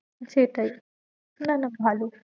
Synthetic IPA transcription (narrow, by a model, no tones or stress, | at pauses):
t͡ʃeːʈɐj | nɐnɐbʱaːlu